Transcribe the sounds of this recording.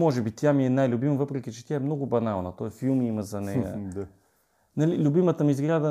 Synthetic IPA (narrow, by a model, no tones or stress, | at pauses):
mɔʒɛbit̪jamiɛnajlʲʊbiməvɤpɾɛk̟ʲit͡ʃɛ̥t̪jaɛmnɔɡʊbɐnalˠnət̪ɔɛfilˠmiimɐzɐnɛjə̰ | nɐlilʲʊbimət̪əmizɡɾʲad̪ə